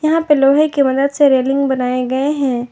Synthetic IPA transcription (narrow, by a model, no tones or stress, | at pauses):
jɐɦãpeloːɦekimɐd̪əd̪seɾeːlɪ̃ŋɡbɐnaːeɡɐeɦɛ̃ː